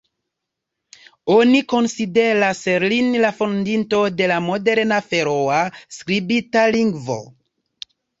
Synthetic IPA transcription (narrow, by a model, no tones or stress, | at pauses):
o̞niko̞nside̞ɾaselinlafondinto̞de̞lamo̞de̞ɾnafe̞ɾoaskɾibitaliŋɡvo̞̰